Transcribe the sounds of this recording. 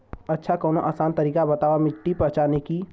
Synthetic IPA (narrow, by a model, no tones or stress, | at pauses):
ɐtːʃʰakɔːnoʔaːsaːnt̪ɐɾiːkabɐt̪aːwamɪʈːipɐɦt͡ʃaːneki